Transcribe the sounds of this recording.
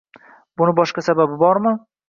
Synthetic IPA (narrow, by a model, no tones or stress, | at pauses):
bʊnɪbɒʃqasababɪbɒɾmɪ